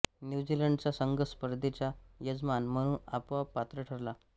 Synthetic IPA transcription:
njud͡ʑiləɳɖt͡ɕasəŋɡəspəɾd̪ʱet͡ɕjajəd͡zmanm̤əɽ̃ũːnapʋapːat̪ɾəʈʰəɾla

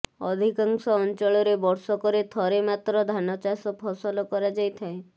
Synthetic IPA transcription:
ɔd̪ʱikaŋsɔːnt͡ʃɔɭɔɾebɔɾsɔkɔɾet̪ʰɔɾemat̪ɾɔd̪ʱanɔt͡ʃasɔppʰɔsɔlɔkɔɾad͡ʒajt̪ʰae

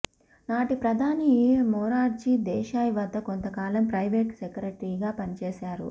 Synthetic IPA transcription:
naːʈipɾɐd̪ʱaːnimɔːɾaːʈ̚d͡ʒiːd̪ɛːʃaːjiʋɐd̪ːɐko̞nt̪ɐkaːlɐmpɾɐjʋeːʈsekɐɾeʈɾiːɡaːpɐnit͡ʃeːʃaːɾṵ

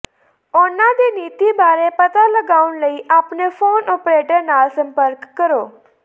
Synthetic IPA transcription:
onad̪iniːt̪ibaːɾepət̪aləɡaːunləiːʔapnefoːnɔpɾeʈəɾnaːlsə̃mpəɾkːəɾoː

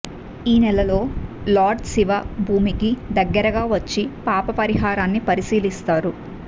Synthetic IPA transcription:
iːnɛlɐlo̞ːlaːɖsiʋaːbʱuːmikid̪ɐɡːɐɾɐɡaːʋɐt͡ʃːipaːpɐpɐɾiɦaːɾaːnːipɐɾisiːlist̪aːɾu

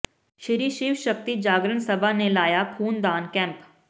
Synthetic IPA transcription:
ʃɪɾiːʃiːʋʃək̚t̪id͡ʒaːɡɾəɳsɐbʱanelaːjakʰuːnd̪aːnkɛ̃ːmp

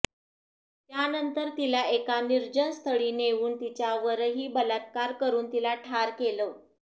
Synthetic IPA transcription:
t̪janənt̪əɾt̪ilaekaniɾd͡ʑənst̪ʰəɭiːneʋuːnt̪it͡ɕjaʋəɾɦiːbəlat̪̚kaɾkəɾuːnt̪ilaʈʰaɾkelə

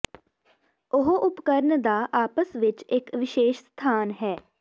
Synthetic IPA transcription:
ʊɦʔʊpkəɾnd̪aːʔaːpəsʋɪt͡ʃɪkʋɪʃeːʃst̪ʰaːnɦɛː

